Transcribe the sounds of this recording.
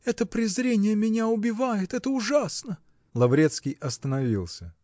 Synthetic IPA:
ɛt̪əpɾʲɪzɾʲenʲɪjəmʲɪnʲaʊbʲɪvajɪt̪ɛt̪əʊʐasnə | lˠɐvɾʲet̪skʲijɐst̪ənɐvʲilˠsʲə

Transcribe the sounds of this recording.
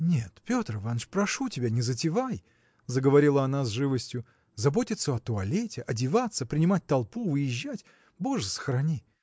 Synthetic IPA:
nʲet̪pʲo̞t̪rɨvanʂpɾɐʂutʲɪbʲanʲɪzətʲɪvaj | zəɡəvɐɾʲilˠəɐnazʐɨvəsʲtʲjʊ | zɐbo̞tʲɪt̪səɐt̪ʊɐlʲetʲɪʔɐdʲɪvat̪sːəpɾʲɪnʲɪmat̚ʲt̪ɐlˠpuvɨjɪʑːætʲ | bo̞ʐəsə̥xɾɐnʲi

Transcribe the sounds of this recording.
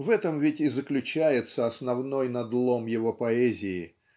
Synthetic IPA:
vɛt̪əmvʲɪtʲɪzəklʲʉt͡ɕæjɪt̪səɐsnɐvno̞jnɐd̪lˠomjɪvopɐɛzʲɪɪ

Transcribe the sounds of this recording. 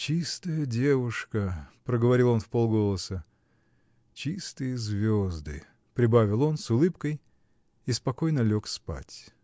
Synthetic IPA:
t͡ɕist̪əjədʲevʊʂkəpɾəɡəvɐɾʲilˠo̞nfpolˠɡo̞lˠəsə | t͡ɕist̪ɨjəzvʲozd̪ɨ̰ | pɾʲɪbavʲɪlˠo̞nsʊlˠɨpkəj | ispɐko̞jnəlʲo̞kspa̰tʲ

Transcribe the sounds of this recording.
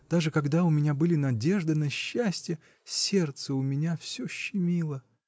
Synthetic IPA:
d̪̥aʐɨkɐɡd̪aʊmʲɪnʲabɨlʲɪnɐdʲe̞ʐd̪ɨnɐɕːæsʲtʲɪjə | sʲe̞rt̪səʊmʲɪnʲafsʲoɕːɪmʲilˠə

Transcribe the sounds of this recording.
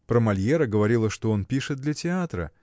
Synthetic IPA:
pɾəmɐlʲjeɾəɡəvɐɾʲilˠəʂt̪o̞onpʲiʂɨt̪̚d̪lʲɐtʲɪat̪ɾə̰

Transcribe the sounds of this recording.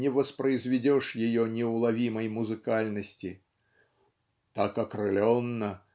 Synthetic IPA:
nʲɛvɐspɾɐjzʲvʲɛd͡zʲɔʂjajɔnʲɛwlˠavʲimɐjmuzɨkalʲnɐsʲt͡sʲi | t̪akɐkrɨlʲɔnːɐ

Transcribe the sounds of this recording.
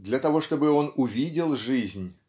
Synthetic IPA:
d̪lʲɐt̪ɐvo̞ʂt̪o̞bɨo̞nʊvʲidʲɪlˠʐɨzʲnʲ

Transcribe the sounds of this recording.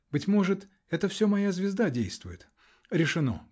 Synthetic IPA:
bɨtʲmo̞ʐɨt̪ | ɛt̪əfsʲomɐjazvʲɪzd̪adʲejst̪vʊjɪt̪ | ɾʲɪʂɨno̞̰

